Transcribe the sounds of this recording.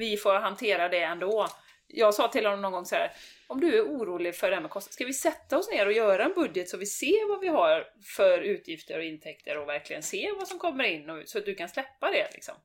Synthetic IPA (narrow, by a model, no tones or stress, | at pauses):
vɪfoːɾɦant̪ʰeːɾad̪ɛɛnd̪oː | jɑːɡsɑːt̪ʰɪlhɔnːɔmnɔnɡɔŋːsɔhæ̰ːɾɔmd̪ɵæɾuːɾuːlɪɡfœɖɛhæɾmɛkʰɔst̪askavɪsɛt̪ːaɔsneːɾɔjœːɾaɛnbɵd̪jət̪sɔmvɪseːvavɪɦaɾ | fœɾʉ̟ːt̪ʰjɪft̪əɾɔɪnt̪ʰɛk̚t̪ʰəɾɔvæɾklɪɡənseːvasɔmkʰɔmːəɾɪnːɔsɔat̪̚d̪ɵkanslɛpːad̪ɛlɪ̰ksɔ̰m